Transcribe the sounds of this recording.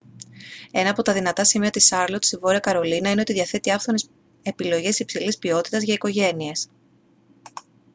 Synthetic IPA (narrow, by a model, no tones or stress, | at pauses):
e̞nɐːpo̞t̪ɐðinɐt̪ɐsimiɐt̪isɐɾlot̪i̥sivo̞ɾiɐkɐɾo̞linɐineoiðiɐθe̞t̪iɐfθones | e̞pilo̞ʝe̞sipsilispio̞t̪it̪ɐzʝɐiko̞ʝe̞nie̞s